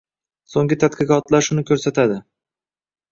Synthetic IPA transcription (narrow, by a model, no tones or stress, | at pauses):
soŋɡʲɪt̪ʰat̪̚qɨqɒt̪laɾʃʊnɪkʲʰɵɾsat̪ʰad̪ɪ